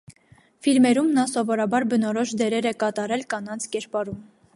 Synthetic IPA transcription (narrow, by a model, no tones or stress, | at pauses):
filmɛɾumnɑsɔvɔɾɑbɑɾbənɔɾɔʃd̪ɛɾɛɾɛkɑt̪ɑɾɛlkɑnɑnt͡sʰkɛɾpɑɾum